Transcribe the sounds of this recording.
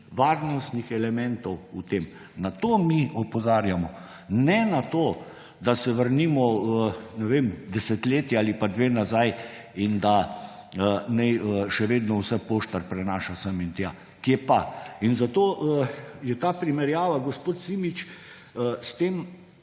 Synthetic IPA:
ʋaɾnɔst̪nixɛlɛmɛnt̪ɔwut̪eːm | nat̪omiɔpɔzaːɾjamɔ | nɛnat̪oː | d̪asɛʋəɾnimɔənɛʋemd̪ɛsɛt̪leːt̪jaːlipad̪ʋeːnazaj | ind̪a | ənɛjəʃɛʋeːd̪nɔwsɛpoːʃt̪aɾpɾɛnaːʃasəmint̪jaː | kiɛpainzat̪oːəjɛt̪apɾimɛɾjaːʋaɡɔspoːt̪simit͡ʃ | əst̪eːm

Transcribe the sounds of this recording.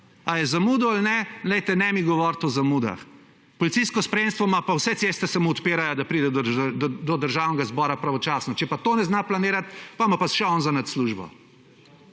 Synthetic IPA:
ajɛzamuːd̪ɔalnɛlɛjt̪ɛnɛmiɡɔʋɔɾt̪ɔzamud̪a̰x | pɔlitsijskɔspɾɛjemst̪ʋɔmapawsɛt̪seːst̪ɛsamoːt̪peːɾajɔd̪apɾiːd̪ɛd̪d̪ɔd̪əɾʒawnɛɡazbɔːɾapɾaʋɔt͡ʃaːsnɔt͡ʃɛpat̪oːnɛznaplaneːɾat̪pamapasʃɛɔːnzanat̪sluʒbɔ̰

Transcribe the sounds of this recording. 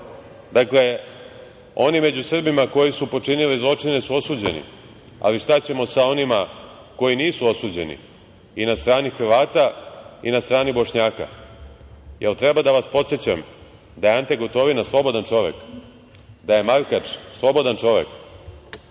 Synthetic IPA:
d̪akle̞ | o̞nime̞d͡ʑusr̩bimako̞jisupo̞t͡ʂinilizlˠo̞t͡ʂine̞suo̞suːd͡ʑḛnḭ | a̰liʂt̪at͡ɕe̞mo̞sao̞nima | ko̞jiniːsuo̞suːd͡ʑe̞nḭ | inast̪ɾaːnixr̩ʋaːt̪ainast̪ɾaːnibo̞ʂɲaːka̰ | jelt̪ɾebad̪aʋaspo̞t̪set͡ɕam | d̪ajeant̪eɡot̪o̞ʋinaslˠo̞bo̞d̪ant͡ʃo̞ʋḛk | d̪aje̞maɾkat͡ʃslˠo̞bo̞d̪ant͡ʃo̞ʋḛk

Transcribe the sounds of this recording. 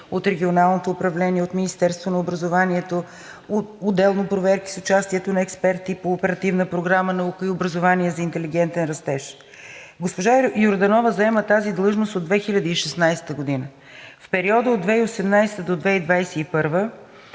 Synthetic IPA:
ot̪ɾɛɡʲionalˠnot̪oːpɾɐvlɛniɛot̪minist̪ɛɾst̪vonɐobɾəzovaniɛt̪o | ood̪ɛlˠnopɾovɛɾki̥sʊt͡ʃast̪iɛt̪onɐɛkspɛɾt̪ipoːpɛɾɐt̪ivnəpɾoɡɾamənɐukəiobɾəzovaniɛzɐint̪ɛliɡ̟ɛnt̪ɛnɾɐst̪ɛʃ | ɡospoʒajoɾd̪ɐnɔvəzɐɛmət̪azid̪lˠɤʒnost̪od̪vɛxilʲəd̪əiʃɛsnajsɛ̥t̪əɡod̪inə | fpɛɾiɔd̪əod̪vɛiosɛmnajst̪əd̪od̪vɛid̪vajsɛipɤɾvə

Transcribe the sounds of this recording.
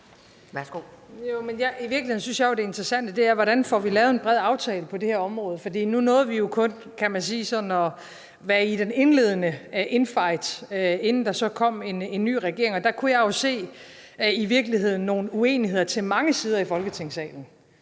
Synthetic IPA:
sɡ̥o | jomenjɑiʋiɐɡ̥liheðn̩syn̩sjɑ̈jod̥e̝e̝nd̥ʁɐsæn̰d̥əd̥e̝æɐʋɒɾ̥ænfɒʋilɛːʊð̞̩enb̥ʁɛð̞̰ˠɑ̈ʊt͡sʰɛːləpʰɒ̽de̝hæɐɒ̽mʁɔ̽ːðˠfɒ̽d̥ḭːnunɔ̽ːð̩ˠʋijo̝kʰɔ̽n | kʰæmænsiːsɒ̽dn̩ɒ̽ | ʋæɐid̥ene̝nle̝ð̞ˠənəʔe̝nfɑ̈ɪ̰d̥e̝nn̩d̥ɑ̈sɒ̽kʰɒ̽m̰e̝ne̝nːy̰ːʁaɡ̥e̝ɐe̝ŋɒ̽d̥ɑ̈kʰujɑ̈jo̝se̝̰ː | iʋiɐɡ̥lihe̝ð̞̰ˠn̩ːo̝ːn̩ue̝̰ːniɦe̝ð̰ˠɐt͡sʰe̝lmɑ̈ŋəsiːð̞ˠɐifɒ̽lɡ̥ət͡sʰe̝ŋ̰sɛ̰ːln̩

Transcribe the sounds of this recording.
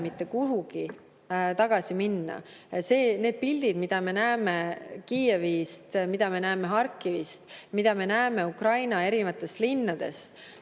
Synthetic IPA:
mit̪ːˑe̞kuɦuɡ̥i | t̪ɑɡ̥ɑsiminːɑ̰se̞ːne̞ːd̪̥̚pilʲd̪̥id̪mid̪̥ɑme̞næemekiːevist̪mid̪̥ɑme̞næːme̞ɦɑrkːˑivist̪mid̪̥ɑme̞næeme̞ukrɑjnɑe̞ɾivɑt̪ːˑe̞st̪linːɑd̪̥e̞̰st̪

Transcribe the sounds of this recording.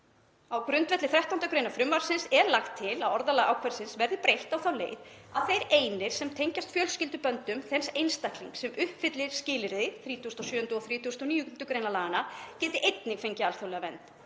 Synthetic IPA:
awkɾʏnt̪vɛt̪lɪθɾɛht̪aunt̪akɾeːjnafɾʏmvaɾ̥sɪnsɛɾlaxt̪ʰːɪlaðɔɾðalaɣa̰wkʰvɛɾ̥sɪnsvɛɾðɪpɾejht̪awθawlḛːjð | aðθejɾeːjnɪɾ̥sɛmt̪ʰejɲcast̪fjœːlscɪlt̪ʏpœnt̪ʏmθɛnsejnst̪akliŋksɛmʔʏhpfɪt̪lɪɾ̥scɪːlɪɾðɪθɾiːt̪ʰust̪ɔsjœːʏnt̪ʏɔθɾiːt̪ʰust̪ɔniːʏnt̪ʏkɾejnalaːɣanacɛːt̪ɪʔejt̪nɪɣfejɲcɪalθawlɛɣavɛ̰nt̪

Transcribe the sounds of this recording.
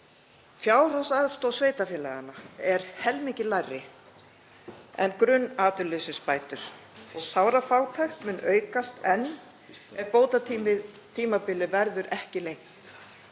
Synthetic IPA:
fjaːwr̥asaðst̪oːwsveːjt̪afjɛːlɛːɣanaɛɾ̥hɛlmiɲcɪlajrːɪ | ɛ̰nkɾʏnːaːt̪ʏlːʏɥsɪspaːjt̪ʏɾ̥ | ɔɣsaːwɾafaːwt̪ʰajxt̪mʏnːʔœːɥkast̪ɛnː | ɛɾpoːwt̪at̪iɪ | t̪ʰiːmapɪlːɪvɛɾðʏɾʔɛhcɪlejŋt̪

